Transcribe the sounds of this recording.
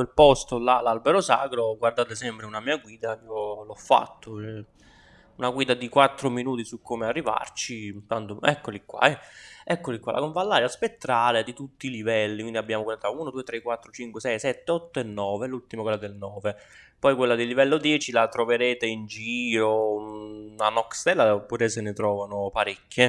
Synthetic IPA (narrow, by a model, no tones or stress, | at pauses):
elpɔst̪olalalbeɾosa̰ːkɾoɡward̪aːt̪esɛmpɾeunamiːaɡwiːd̪aiolɔfːa̰t̪ːoɛ | unaɡwiːd̪ad̪ikwat̪ːɾominuːt̪isukːomearːiva̰rt͡ʃint̪ant̪oɛkːolikːwa̰ɛɛkːolikwa̰la̰koɱvalːaːɾjaspet̪ːɾaːled̪it̪ut̪ːiːlivɛlːikwind̪iabːjaːmoɡwilaːt̪auːnod̪uːet̪ɾekːwat̪ːɾot͡ʃiŋkwesɛjsɛt̪ːeɔt̪ːoɛnːɔːvelult̪imakwelːad̪elnɔːve | pɔjkwelːad̪ilːivɛlːod̪jɛːt͡ʃilat̪ɾoveɾeːt̪eind͡ʒiːɾo | anɔkst̪ɛlːapːuɾɛsenet̪ɾɔːvanopaɾekʲːje